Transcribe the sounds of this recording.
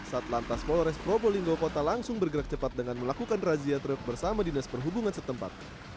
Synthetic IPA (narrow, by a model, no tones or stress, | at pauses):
sat̪lant̪aspɔlɾɛspɾoboliŋɡokot̪alaŋsʊŋbərɡəɾak̚t͡ʃəpat̪̚dəŋanməlakukanraziat̪ɾək̚bərsamadinaspərɦubuŋansət̪əmpa̰t̪̚